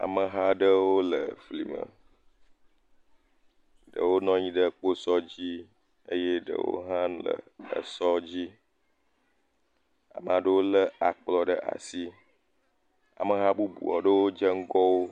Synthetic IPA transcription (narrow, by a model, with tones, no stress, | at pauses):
a̰˨mə˨ɦa˦ɖə˦wo˦lə˨fli˨mə̰̃˨ | ɖə̰˨wo˦nɔ̃˦ɲĩ˦ɖə˦k͡po˦sɔ˦d͡ʑi˦ | ə˦je˦ɖə̰˨wo̰˦ɦã˦lə̰˨ə̰˨sɔ˦d͡ʑi˦ | a̰˨m˨a˨ɖə˦wo˦lə˦a˨k͡plɔ˦ɖə˦ʔa̰˨si˦ | a̰˨mə˨ɦa˦bu˦bṵ˨ɔ˨ɖə˦wo˦d͡ʒə˦ŋ̩˦ɡɔ˦wo˦